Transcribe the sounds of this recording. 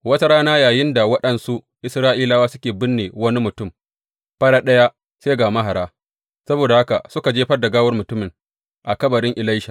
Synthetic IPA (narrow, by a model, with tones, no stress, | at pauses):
wɐ˦ta˦ɾaː˦naː˦jaː˨jɪ˦nda˨wɐ˦ɗɐ˨nsu˦ʔ | ʔɪ˨sɾaː˦ʔiː˦laː˦waː˦sʊ˦kʲeː˨bɪ˦nːeː˨wɐ˦ni˦mʊ˨tʊ˦˨m | ɸɐ˦ɽaː˦ɗɐ˦ja˦ | seː˦ɡaː˨ma˦ɦa˨ɾaː˦ | sɐ˦boː˨da˨ha˦ka̰˨sʊ˦ka˨d͡ʒeː˦ɸɐ˦rdɐ˨ɡaː˦wɐ˦rmʊ˨tʊ˦mɪ˨ŋ | ʔa˨kɐ˦bɐ˨ɽɪ˦ŋʔɪ˨la˦jʃa˨